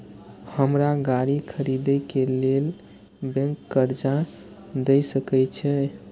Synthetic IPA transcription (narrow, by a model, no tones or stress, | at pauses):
həmɾaɡaɾikʰəɾid̪əkelel | bɛ̃ŋkːəɾd͡ʒa | d̪ɛjsəkɛjt͡ʃʰɛ